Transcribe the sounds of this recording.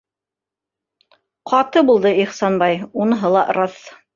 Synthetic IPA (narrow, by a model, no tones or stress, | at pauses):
qʰɑt̪ɤbulˠd̪ɤiχsɑnbɑjunɤ̆ɦɤlˠɑʔɾɑθ